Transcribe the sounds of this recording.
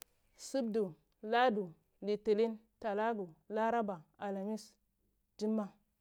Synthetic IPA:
su˦bdu˨ | la˦du˨ | li˨te˨li˦n | ta˨la˦ɡu˨la˦ɾa˦ba˨a˨la˨mi˦s | d͡ʒi˦mːa˦

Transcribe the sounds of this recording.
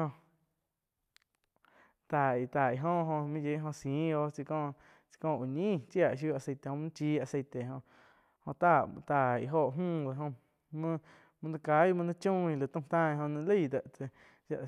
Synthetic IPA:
õ˧ | t̪a˨i˨t̪a˨i˨ɦõ˦˧ɦõ˧mĩ˦je˦ɦõ˧sĩː˨˦˧o˧t͡si˧kɔ̃ː˦˧˨ | t͡si̥˧kɔ̃ː˧˨u˨ɲĩː˦˨t͡ʃja˦˨ʔʃ̬ju˧˦a˨se˧jt̪e˨hõ˧˦nã˦t͡ʃi˦a˧˨se˧˨t̪e˨ɦõ˧ʔ | hõ˧ʔt̪a˦˨˧t̪a˨ḭ˨ɦo˧˨ʔɦũː˦˧˨d̪a˧˨ɦõ˧ | mə̃˦˧ | mɨ̃˧nã˧ka˧˦jmɨ̃˧nã˦t͡ʃũː˦˨i˧lɨ˨t̪ũ˧t̪ãː˦˧i˧ɦõ˧nã˧lə˦˨d̪a˨ʔt͡se˧ | ʃa̰˧ʔ

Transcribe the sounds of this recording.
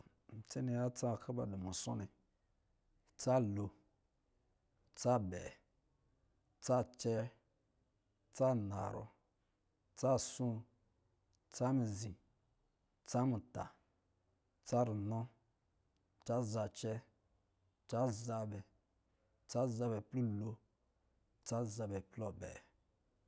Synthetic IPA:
t͡se˦ni˨ja˦t͡sa˦˨kʰa˦ba̰˨di˨mu˨so̰˦ni˨ | t͡sa˦lo˨ | t͡sa˦bɛ̰˨ | t͡sa˦t͡ʃɛ˦˨ | t͡sa˦na˨ɾo̰˦ | t͡sa˦˨sũ˦ | t͡sa˦mi˨zi˨ | t͡sa˦mu˨ta̰˨ | t͡sa˦ɾi˨nɔ˦ | t͡ʃa˦za˨t͡ʃɛ˦ | t͡ʃa˦za˦bɛ˨ | t͡sa˦za˧bɛ˨plu˦lo˦ | t͡sa˦za˧bɛ˨plɔ˦bɛ̰˨

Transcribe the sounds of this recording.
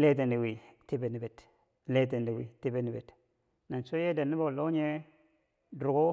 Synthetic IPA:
le˦t̬e˨ndi˨wi˨ti˦be˨˦ni˨be˨t | le˦t̬e˨ndi˨wḭ˨ti˦be˦ni˨be˨t | na˨nso˦je˦da˨nːi˦bo˨lo˦ɲe˦ | dɾu˨ɡo˦

